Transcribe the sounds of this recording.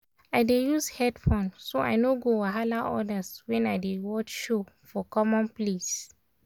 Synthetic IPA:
aɪdejushɛdfɔ̃nsoa̰jnoɡowaɦalaʔɔdaswɛ̃naɪdewɔt͡ʃʃofɔkɔmɔ̃nples

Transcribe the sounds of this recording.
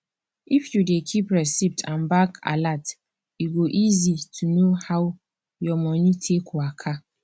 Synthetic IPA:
ifjudekʰipɾɛsip̚tʰãnbakʰa̰lat | iɡoʔizitʰunõhaw | jɔmɔ̃nĩtʰekʰʊakʰa

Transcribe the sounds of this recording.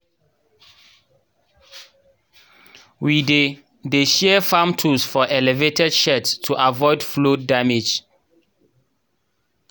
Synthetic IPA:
wide | deʃɛfãmtʰusfɔʔɛlɛvetɛdʃɛtstʰːuʔavɔɪdflodamed͡ʒ

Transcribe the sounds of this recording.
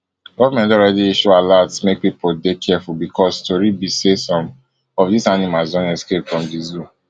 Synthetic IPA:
ɡ̥ɔvamɛ̃ntɔɹɛdiiʃualatsmek̚pipʰoldekʰɛɛfulbikʰɔstoɹibisesɔ̃m | ɔfdisanimasdɔ̃nɛskep̚tfɹɔ̃mdizu

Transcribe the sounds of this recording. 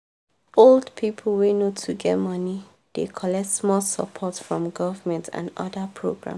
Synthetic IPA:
oldpʰipʰl̩wenotʰuɡɛ̰tmʌni | d̥ekʰɔlɛk̚tsmɔsə̰pʰɔtfɹɔ̃mɡɔvəmɛ̃ntʰã̰nʌ̰dəpʰɹo̰ɡɹã̰m

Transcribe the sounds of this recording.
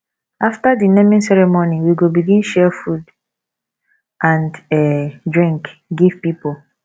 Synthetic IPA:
aftadinɛ̃mĩnsɛɹɛmoniwiɡobiɡĩnʃɛfud | ʔãndɛdɹĩŋkɡiv̥pipo

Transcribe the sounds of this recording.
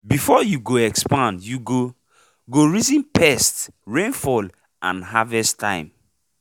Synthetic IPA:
bifɔjuɡoɛkspãndjuɡo | ɡoɹizĩnpʰɛstɹẽnfɔl | ʔã̰nɦavɛstʰã̰ɪ̃m

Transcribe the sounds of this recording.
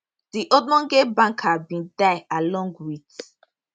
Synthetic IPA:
d̥iʔodmɔ̃nɡebãŋkabĩndaɪalɔ̃ŋɡwit

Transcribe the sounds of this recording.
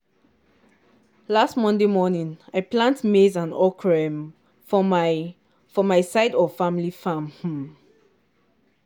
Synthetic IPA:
lastmɔ̃ndemɔnĩnaɪplãntmezãnɔkʰɹɛ̃m | fɔmaɪsaɪdɔfãmilifãmh̩

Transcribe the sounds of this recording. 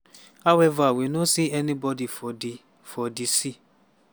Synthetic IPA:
awɛvawenõsiɛnĩbɔdifɔdi | fɔdisi

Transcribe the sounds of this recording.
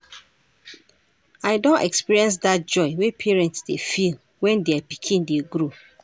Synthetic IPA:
aɪdõntɛkspiɹiɛ̃ns̬dat̚d͡ʒɔɪwepʰɛɹɛ̃ntsdefil | wɛ̃ndeapikʰĩndeɡɾo

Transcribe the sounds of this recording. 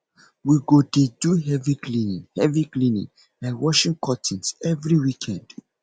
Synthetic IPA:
wiɡodeduɦɛviklĩnĩŋhɛviklĩnḭ̃ŋ | ãnwɔʃĩŋkʰɔtʰĩnsɛvɹiwikʰɛ̃nd̥

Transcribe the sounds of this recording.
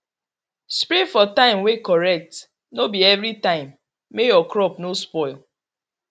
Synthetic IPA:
spɾefɔtãɪ̃mwekɔɹɛk̚t | nobiɛvɾitãɪ̃mː | ejɔkɾɔpnospɔɪl

